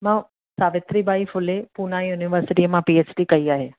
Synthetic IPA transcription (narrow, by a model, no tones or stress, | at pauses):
mãː | saːʋɪt̪ɾibaːifʊlepuːnaːijuːniʋəɾsɪʈiəmãpiːeːt͡ʃʈikɐiaːɦeː